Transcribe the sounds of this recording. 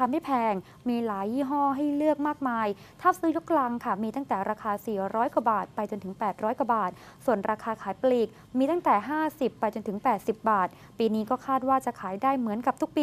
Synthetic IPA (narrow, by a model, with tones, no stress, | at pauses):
tʰa˧ma˥˩jpʰɛː˧ŋ | miː˧laː˩˦jːiː˥˩ɦɔː˥˩ɦa˥˩jlɯ˥˩ək̚maː˥˩k̚maː˧j | t̪ʰaː˥˩p̚sɯː˦˥jo˦˥k̚la˧ŋkʰa˥˩miː˧t̪a˥˩ŋt̪ɛː˨˩ɾaː˧kʰaː˧siː˨˩ɾɔː˦˥jkwa˨˧˦baː˨˩t̪̚pa˧jt͡ɕo˧nt̪ʰɯ˩˦ŋpɛː˨˩t̪̚ɾɔː˦˥jka˨˩baː˨˩t̪̚ | su˨˩ənɾaː˧kʰaː˧kʰaː˩˦jpliː˨˩k̚ | miː˧t̪a˥˩ŋt̪ɛː˨˩ɦaː˥˩si˨˩pːa˧jt͡ɕo˧nt̪ʰɯ˩˦ŋpɛː˨˩t̪̚si˨˩p̚baː˨˩t̪̚ | piː˧niː˦˥kɔː˥˩kʰaː˥˩t̪̚waː˥˩t͡ɕa˨˩kʰaː˩˦jdaː˥˩jmɯ˩˦ənka˨˩p̚t̪u˦˥k̚piː˧